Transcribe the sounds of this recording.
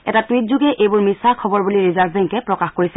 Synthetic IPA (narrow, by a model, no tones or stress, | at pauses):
ɛ̰tatwit̚zuɡɛʔejbʊɹmisaɹkʰɔbɔɹbuliɹizaɹbbɛŋkɛpɹɔkaxkoɹisɛ